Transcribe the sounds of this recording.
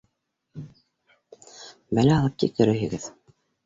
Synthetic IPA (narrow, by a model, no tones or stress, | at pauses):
bælæɑlˠɤp̚t̪ik̚t̪ɘ̆ɾɘ̆ɦɘ̆ɡɘð